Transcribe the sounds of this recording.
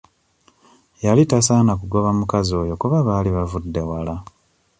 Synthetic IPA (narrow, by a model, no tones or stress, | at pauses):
jalitasaːnakuɡo̞βamukazo̞ːjo̞kuβaβaːliβavudːe̞wala